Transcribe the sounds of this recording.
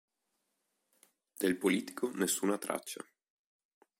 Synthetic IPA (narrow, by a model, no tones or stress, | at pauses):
d̪̥elpoliːt̪i̥kʰonesːuːnat̪ɾa̰t͡ʃːa̰